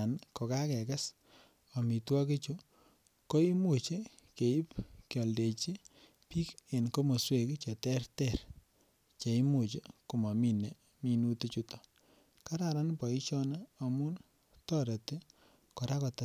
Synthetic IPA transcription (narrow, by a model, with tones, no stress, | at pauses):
a˨nkɔ˨ka˦kɛ˨ka˦s | ɔ˨mi˨twɔ˦ki˦t͡ʃu˦ | ko˦i˦mu˨t͡ʃi˦ | ke˨i˦pkjɔ˨lde˨t͡ʃi˦ | pi˦ke˨nko˦mo˨swe˨kt͡ʃe˨tɛ˦rtɛ˦˨ɾ | t͡ʃe˨i˦mu˨t͡ʃi˦ku˨ma˨mi˦ne˨ | mi˨nu˦te˦t͡ʃu˦tɔ˨ | ka˦ɾa˨ɾa˦npɔ˨i˦t͡ʃɔ˦na˦o˨mu˦n | tɔ˦ɾe˨ti˦ | kɔ˨ɾa˦kɔ˨ta˨